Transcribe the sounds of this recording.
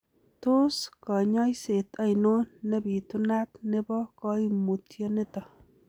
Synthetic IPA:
to˦skɔ˨ɲɔ˦jse˨ta˦jno˦nɛ˦bi˨tu˦na˦tne˦bɔ˦kɔ˦imu˨tjɔ˦ne˦tɔ˨

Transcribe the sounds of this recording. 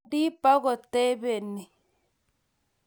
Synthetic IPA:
di˦pa˦ɣɔ˨te˦βe˨ni˨

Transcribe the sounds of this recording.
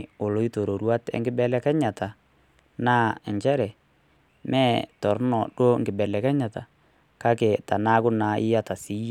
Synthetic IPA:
o˨lo˨˦i˦to˨ɾo˨ɾwa˦tɛ̰˦ŋɡɪ˦bɛ˦lɛ˦kɛ˦ɲa˨ta˨ | na˦ɛ˨ɲt͡ʃɛ˦ɾɛ˨ | mɛ˦tɔ˨ɾnɔ˨ɗo˦ŋɡɪ˨bɛ˨lɛ˨kɛ˦ɲa˨ta˨ | ka˦ke˨ta˨na˦kʊ˦na˨ʔɪ̰˦ja˦ta˨si˦j

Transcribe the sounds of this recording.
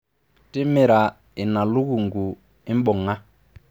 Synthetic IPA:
tɪ˦mɪ˨ɾa˨ | ɪ˨na˨lu˦ɣu˨ŋɡu˨ | ɪ˦m˦ɓɔ˨ŋa˦

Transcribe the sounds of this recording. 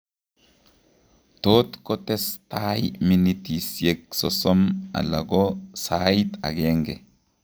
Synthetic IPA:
t̪o˦t̪kɔt̪ɛ˦st̪a˦jminit̪i˨sje˨ksɔsɔ˦ma̰˨la̰˨ɡosajt̪a̰˨ɡeŋɡɛ˨

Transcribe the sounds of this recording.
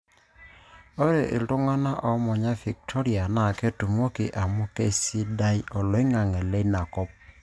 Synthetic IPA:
o˦ɾe˨ʔɪ̰˨ltʊ˦ŋa˦na˦ʔɔ˨˦mɔ˨ɲa˦fi˨k̚tʰɔ˦ɾi˨a˨na˨ke˦tu˨m˦o˦kɪ˨ʔa˨mʊ˦ke˦si˦da˦jɔ˨lɔ˨˦ɪ˦ŋa˨ŋɛ˨le˦na˨kɔ˦p̚

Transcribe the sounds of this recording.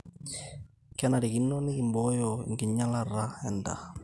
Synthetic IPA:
kɛ˦na˨ɾi˨ki˨˦nːoni˦ki˨mbɔ˦jɔ̰ŋɡɪ˨ɲːa˦lara˦ɛnda̰˨

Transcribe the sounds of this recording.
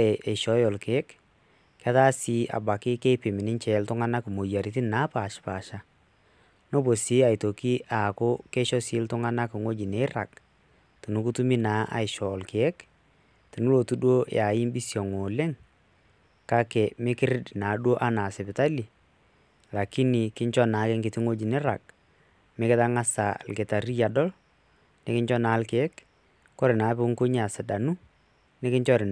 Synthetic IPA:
ɛ˨ʔɛ˨ʃɔ˨˦jɔ˨lke˨˦k | ka˦ta˦si˨˦ʔa̰˨ba˨kɪ˦kɛ˦pɪ˨mɪ˨nɪ˦nt͡ʃɛ˨˦ltʊ˦ŋa˦na˦kɪ˨mo˨ja˨ɾi˦tɪ˦naː˨˦pa˨ʃpa˨ʃa˦ | no˦po˨si˦a˨ɪ˨to˨ki˦ʔa˨kʊ˦kɛ˦ʃɔ˦sɪ˨˦ltʊ˦ŋa˦na˦kɪ˨ŋo˦d͡ʒi˨ne˦ra˨k | tɪ˨nu˦ku˦tu˦mi˦naː˦ʔa̰˨ɪ˨ʃɔ˨lke˦k | tɪ˨nu˦lo˨tu˦ɗwo˦ja˨ɪ˦mbi˦sjɔ˨ŋo˨lɛ˦ŋ | ka˦kɛ˨mɪ˦kɪ˦ɾɪ˦dnaː˨˦ɗwo˦ʔa˦na˨sɛ˨pɪ˨ta˦li˨ | ra˨ki˦ni˨kɪ˦ɲt͡ʃɔ˦naː˨˦kɪ˦ŋɡɪ˨tɪ˦ŋo˦d͡ʒi˨nɪ˦ɾa˨k̚ | mɪ˦kɪ˦ta˦ŋa˦sa̰˨lkɪ˨ta˨ɾi˦ja˨dɔ˦l | nɪ˦kɪ˦ɲt͡ʃɔ˦naː˨˦lkɪ˨˦ɛ˦k | kɔ˦ɾɪ˨naː˨˦pɪ˦ŋko˦ɲ˦a˨sɪ˨da˨nu˦ | nɪ˦kɪ˦ɲt͡ʃɔ˦ɾɪ˨n

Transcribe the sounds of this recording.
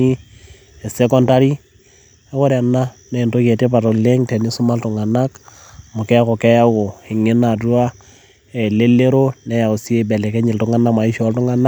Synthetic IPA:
i˦ | ɛ˨sɛ˦kɔ˦nta˦ɾi˦ | ɛ˦ko˦ɾa˨nːa˦nɛ˦˨nto˦ke˨te˦pa˨to˨le˦ŋte˨ni˦sʊ˦ma˦ltʊ˨ŋa˨na˦k | mʊ˨kɛ˦ko˨kɛ˦ja˦ko˨ɪ˨ŋɪ˦na˨tu˦a˦ | e˨le˦le˦ɾo˦nɛ˦ja˨u˨si˦e˦bɛ˨le˨kɛ˦ɲɪ˨ltʊ˦ŋa˦na˦ma˨i˦ʃɔ˨˦ltʊ˦ŋa˦na˦

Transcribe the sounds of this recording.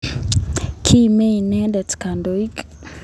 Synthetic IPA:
kʰi˦me˦i˨nɛ˦dɛ˨tka˨ndo˨i˦k

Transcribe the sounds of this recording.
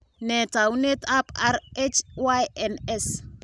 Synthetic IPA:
nɛ˨ta˨wu˦ne˦ta˦pa˦ɾet͡ʃwa˦jɛnɛ˦s

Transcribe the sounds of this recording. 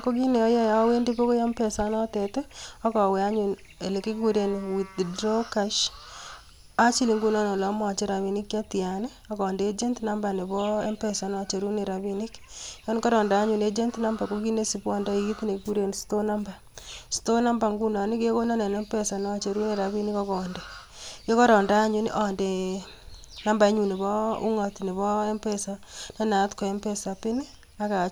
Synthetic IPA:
ko˦ki˦ne˨ɔ˦ja˦ja˦we˦ndi˦po˦ko˦ja˦mpɛ˨sa˦nɔ˦te˨te˦ɔ˦kɔ˨wɛ˨a˦ɲu˨n | e˨le˨ke˦kku˦ɾe˦nwi˨tdɾo˦ka˨ʃ | a˦t͡ʃi˦li˨ŋɡu˦nɔ˦nɔ˨lːmwa˨t͡ʃe˦ɾa˨βi˨ni˦kja˦ti˨a˨nɪ˦a˦kɔ˨nde˦d͡ʒe˦ntna˦mba˨ne˨bɔ˦e˦mpɛ˨sa˨˦nɔ˦t͡ʃe˨ɾu˦ne˨ɾa˨bi˦ni˦kjɔ˦n˦kɔ˦ɾɔ˨nda˨˦ɲu˨ne˦d͡ʒe˦ntna˦mba˨ko˦ki˦ne˦si˦bwɔ˦nda˦˨i˦tne˨ku˦ɾe˨nsto˦na˦mba˨ | sto˦na˦mba˨ŋɡu˦na˨ni˦ke˦ko˦na˦ne˨ne˦mpe˦sa˨nɔ˦t͡ʃe˨ɾu˦ne˦ɾa˨βi˦nɪ˦kɔ˦kɔ˨nde˨ | jo˦kɔ˦ɾɔ˨nda˦ɲu˦nʔɔ˨nde˨ | na˦mba˨e˦ɲu˨ne˨βɔ˦ṵ˦ŋɔ˨tni˨βɔ˦e˦mpe˦sa˦nɔ˦na˨˦tko˨e˦mpe˦sa˨pɪ˦ni˦ | a˦ka˨

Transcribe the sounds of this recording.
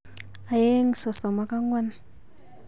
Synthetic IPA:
a˨je˦ŋ˨sɔ˨sɔ˨ma˦ka˦ŋwa˦n˨

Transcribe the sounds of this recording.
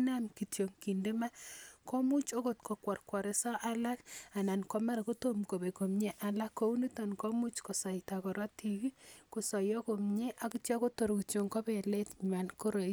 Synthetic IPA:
na˦nki˨tjo˨ŋki˨nde˦ma˦kɔ˦mu˦t͡ʃo˦ko˨tko˨kwa˨rkwa˨ɾe˨sa˦ʔa˦la˦ka˨na˨nko˦ma˦ɾa˨ko˦to˦mko˨be˨ko˨mɲe˦ʔa˦la˦kːo˦u˦ni˦ta˨nkɔ˦mu˦t͡ʃkɔ˨sa˨ita˨kɔ˨ɾɔ˦ti˨ki˦ko˨sɔ˨jɔ˦ko˨mɲe˦ʔa˨ku˦tjɔ˦ko˦to˨ɾo˨ki˨tjo˨ŋko˦be˨le˦tɲma˨nko˦ɾo˨

